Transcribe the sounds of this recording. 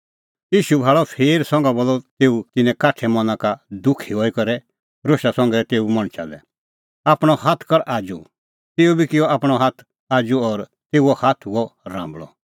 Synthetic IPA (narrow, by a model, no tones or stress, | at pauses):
jiːʃubʱaːɭɔpʰeːɾsɔ̃ŋɡaboːlɔt̪eːut̪ɪnɛ̃kaːʈʰɛmɔ̃nakad̪ʊkʰiɦɔːikɔɾɛ | ɾoːʃasɔ̃ŋɡɛt̪eːumɔ̃ɽ̃t͡ʃa̰lɛ̰ | aːpɽ̃ɔhat̪ʰkɔɾʔaːd͡ʒṵ | t̪eːubʱikɪjɔʔaːpɽ̃ɔɦat̪ʰ | aːd͡ʒuɔɾ | t̪eːuɔhaːt̪ʰuɡɔɾã̰ːmbɭɔ̰